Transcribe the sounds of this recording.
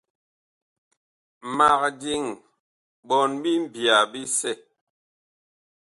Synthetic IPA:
ma˨k̚di˦ŋ | ɓɔ˨nbi˦m̩˦˨bi˨a˨bi˦sɛ˦˨

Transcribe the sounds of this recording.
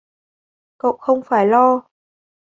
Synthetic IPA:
kə̰˧˨wxə˧wŋ͡mfaː˧˩jlɔ˧

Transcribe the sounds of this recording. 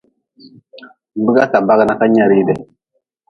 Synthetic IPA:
bə˦ɡa˦sa˨ba˦ɡna˦ka˦ɲa˨ɾi˦de˨

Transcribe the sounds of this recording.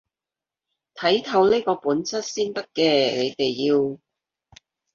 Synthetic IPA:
t̪ʰɐ˨˥jt̪ʰɐ˨˧˥wniː˥kɔː˧puː˨˥nt͡sʰɐ˥t̚siː˥nt̪ɐ˥t̚kɛː˧ne˨˧jt̪e˨jːiː˧w

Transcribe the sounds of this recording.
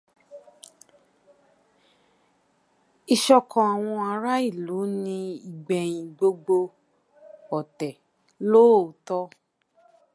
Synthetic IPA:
i˧ʃɔ˧kɔ̃˨a˨w̃ɔ̃˧a˧ɾa˦i˦˨lu˨˦nĩ˧i˨ɡ͡bɛ˨j̃ĩ˨ɡ͡bo˧ɡ͡bo˧ | ɔ˨tɛ˨ | lo˦˨tɔ˧˦

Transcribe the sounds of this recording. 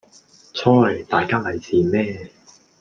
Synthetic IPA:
t͡sʰɔː˥˨˩t̪aː˨jkaː˥lɐ˨˧jsiː˨mɛː˥

